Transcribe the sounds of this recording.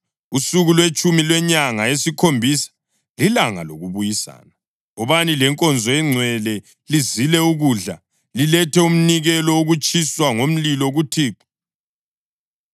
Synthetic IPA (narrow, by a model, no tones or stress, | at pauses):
usuɣulwet͡ʃʼumilwɛɲaŋaesikʰombʱisḁ | lilaŋa̰loɣuβujisa̰ːna | ɔβanilɛŋkʼɔnd͡zʱɔɛŋ͡ǀʱwɛlɛ | lizilɛuɣuɮa̰ | lilɛtɛum̩niɣɛlɔuɣut͡ʃʼʰiswaŋom̩lilɔɣutʰiːǁi̥